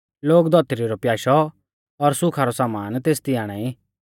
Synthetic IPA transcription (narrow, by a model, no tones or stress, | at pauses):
loːkd̪ʱɔt̪ɾiɾɔpjaːʃɔ | ɔɾsʊkʰaɾɔsaːmaːnt̪eːst̪ɪaːɽ̃ai